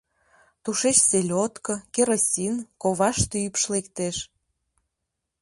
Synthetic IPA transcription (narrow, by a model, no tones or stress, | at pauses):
t̪uʃet͡ɕselʲot̪kɤ̆keɾosʲinkoβɑʃt̪yypʃlekt̪eʃ